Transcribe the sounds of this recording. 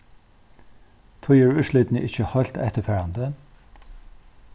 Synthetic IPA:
t̪ʰɔjəːɹʉːʃlɪt̪n̩əʔɪ̰çəhɑlt̪ɛ̰t̪əfæːɹɑnd̪ə

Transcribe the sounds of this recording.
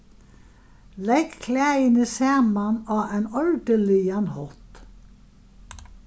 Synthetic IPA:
lɛkkʰlæːjənəsæːmanɑːæɪnɔɻd̪əlɪanhɔt̪

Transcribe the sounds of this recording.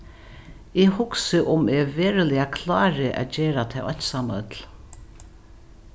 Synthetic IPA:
ɛhʊksɪʔʊmɛvɛːɾɪlɪakʰlaːɾɪʔa̰ːd͡ʒeːɾat̪ʰɛwɔt̪saːmaœ̰t̪l̥

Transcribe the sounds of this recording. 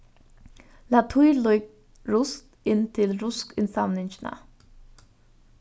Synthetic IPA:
lat̪ʰujluj | ɾʊst̪ɪnt̪ʰɪlɾʊskɪnsamnɪɲt͡ʃɪna̰

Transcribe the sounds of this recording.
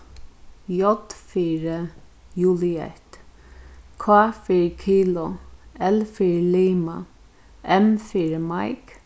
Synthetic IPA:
jɔd̪fiːɹə | juːlɪɛ̰ht̪ | kʰaːfiɹkʰiːlʊɛlfiːɹliːma̰ | ʔɛmfiːɹəmajk

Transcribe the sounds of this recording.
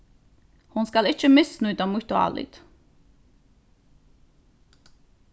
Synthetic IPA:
hunskalɪt͡ʃʰəmɪsnujt̪amuht̪ɔa̰lḭt̪

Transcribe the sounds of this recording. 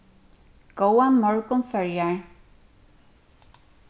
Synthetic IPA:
ɡ̥owanmɔɹkʊnfœɹjaɹ

